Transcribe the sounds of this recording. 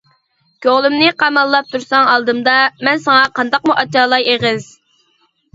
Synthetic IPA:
ɡ̥ʲoʁlˠymnɪqʰɑmɑlˠːɑp̚t̪ʰuɾsɑŋɑlˠd̪ɨmd̪ɑmɛnsɑŋɑqɑnd̪ɑqmuʔɑt͡ʃɑːlˠɑjeʁɪz̥

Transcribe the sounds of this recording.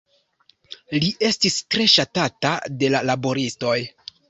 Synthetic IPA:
liʔe̞stistɾe̞ʃatatade̞lalabo̞ɾisto̞j

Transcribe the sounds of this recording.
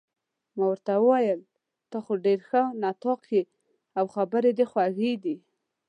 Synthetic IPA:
mawəɾt̪awəwajəl | t̪ɑxoɖeɾxənat̪ɑqʰe | awxabəɾed̪exwaɣid̪i

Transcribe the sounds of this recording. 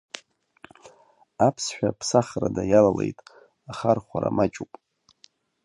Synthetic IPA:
apʰsħʷᶣapʰsaχradajalalḛjtʼ | aχarχʷaɾa̰mat͡ʃʼupʼ

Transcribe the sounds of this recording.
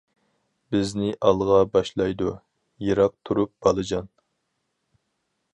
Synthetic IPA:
bɪznɪʔɑlˠʁɑbɑʃlˠɑjd̪u | jeɾɑq̚t̪ʰuɾup̚b̥ɑlˠɨd͡ʒɑn

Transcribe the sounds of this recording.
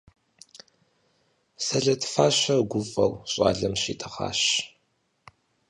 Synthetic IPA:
sɐɮɐtʰfaːɕɐɡʷʊfʼɐwɕʼɑ̰ːɮɐmɕḭːtʰɐχa̰ːɕ

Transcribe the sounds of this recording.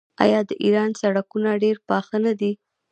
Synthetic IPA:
ɑ̰jɑd̪əʔiɾɑnsaɽakunaɖeɾpɑxanad̪i

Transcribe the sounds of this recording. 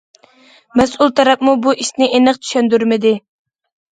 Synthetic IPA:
mɛsulˠt̪ʰɑɾɑp̚mubuʔiʃnɪʔenɨqt͡ʃ̪ʰy̥ʃɛnd̪yɾmɪd̪ɪ

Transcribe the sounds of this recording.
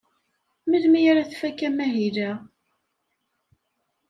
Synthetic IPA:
miðmijaɾaθfækːæmæɦilæ

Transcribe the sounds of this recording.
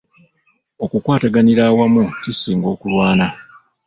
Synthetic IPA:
o̞kukwaːtaɡaniɾaːwamucisiːŋɡo̞ːkulwaːna

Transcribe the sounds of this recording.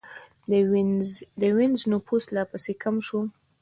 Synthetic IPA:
d̪əwenznʊpuslɑpəsekʰamʃu

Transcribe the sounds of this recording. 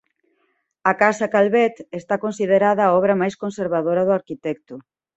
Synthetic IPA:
ɐkasɐkalβɛt̪est̪akonsiðeɾaðɐːɔβɾɐmajskonseɾβaðoɾɐðʊaɾkit̪ɛkt̪ʊ

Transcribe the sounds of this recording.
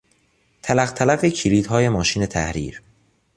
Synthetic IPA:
t̪ʰælæɣt̪ʰælæɣecʰiliːd̪ɦɒːje̞mɒːʃiːne̞t̪ʰæ̰hɾḭːɾ

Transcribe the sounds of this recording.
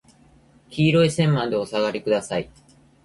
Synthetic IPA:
kʲiːɾo̞isẽ̞mːãnd̪e̞osaɡaɾʲikɯ̟d̪asai

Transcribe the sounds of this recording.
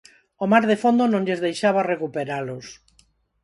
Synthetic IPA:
omaɾðefond̪onõŋʎezðejʃaβarekupeɾalʊs

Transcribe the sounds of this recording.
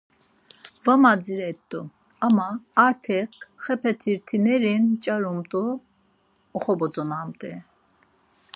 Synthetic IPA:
vamad͡ziɾɛt̪ʼːu | amaːɾt̪ʰɛqχɛpʰɛt̪ʰiɾt̪ʰinɛɾint͡ʃʼaɾumt̪ʼuː | χɔbɔd͡zɔnamt̪ʼɛ

